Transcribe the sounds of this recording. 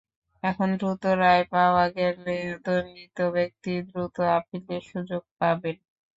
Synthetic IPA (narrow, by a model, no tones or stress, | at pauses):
ɛkʰond̪ɾut̪oɾaepaoaɡɛleot̪onit̪obek̚t̪id̪ɾut̪oapileɾʃud͡ʑoɡ̚paben